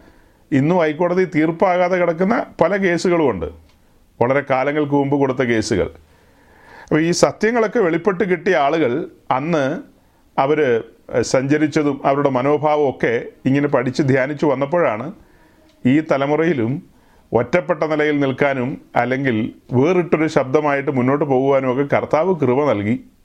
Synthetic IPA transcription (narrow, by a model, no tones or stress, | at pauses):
inːuɐjkːo̞ːɽɐðit̪iːrpaːɣaːðɐkiɽɐk̬ːunːɐpɐlɐke̞ːsuɣɐɭkoɳɖɨ̰ | ʋɐɭɐɾe̞kaːlɐŋːɐɭk̬ɨmumbɨkoɽut̪̬ːɐke̞ːsuɣɐ̰ɭ | ɐpːɐiːsɐt̪jɐŋːɐɭo̞kːe̞ʋe̞ɭipːe̞ʈ̬ːɨkiʈːijɐaːɭuɣɐɭ | ɐnːɨ | ɐʋɐɾsɐɲd͡ʑɐɾit͡ɕːɐðumɐʋɐɾuɽe̞mɐno̞ːbʱaːʋɐmo̞kːe̞iŋːɐnepɐɽʰit͡ɕːɨd̪ʱjaːnit͡ɕːuʋɐnːɐp̬ːo̞ːɻaːɳɨ | iːt̪ɐlɐmurɐjilum | otːɐpːeʈːɐnilɐjilnilkaːnumɐ̰lːe̞ŋɡilʋeːriʈːo̞ɾuɕɐb̚d̪ʱɐmaːjiʈ̬ːɨmunːo̞ːʈːɨpo̞ːɣuɣaːnumokːe̞kɐrt̪aːʋɨkrɨʋɐnɐlki